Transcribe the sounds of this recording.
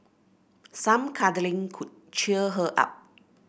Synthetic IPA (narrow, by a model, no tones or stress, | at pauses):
sãmkʰadəlĩŋkʰut̚t͡ʃiəɦəʔa̰p̚